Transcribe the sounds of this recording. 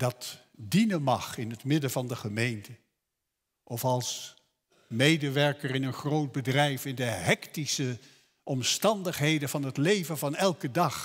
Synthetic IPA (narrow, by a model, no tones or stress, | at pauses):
d̥ɑt | dinənmɑχɪnɦətmɪdəvɑndəχəmejntə | ʔɔfɑlˠs | mejdəʋɛɹkərɪnənχrowt̚bədrɛjfɪndəɦɛktisə | ʔɔmstɑndəχɦejdəvɑnətlejvəvɑnɛlˠkədɑχ